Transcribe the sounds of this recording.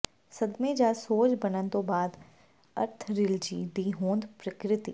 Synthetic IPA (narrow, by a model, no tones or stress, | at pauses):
sɐd̪mẽd͡ʒaːsoːt͡ʃbɐnənt̪obaːd̪ | ɐ̰ɾt̪ʰɾɪld͡ʒḭːd̪iːɦõːnd̪pɾɐkɾɪt̪ḭː